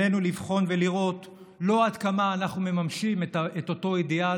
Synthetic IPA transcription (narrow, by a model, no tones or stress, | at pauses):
e̞nulivχo̞nve̞liʁo̞t | lo̞adkamaːnaχnume̞mamʃimetaeto̞to̞idea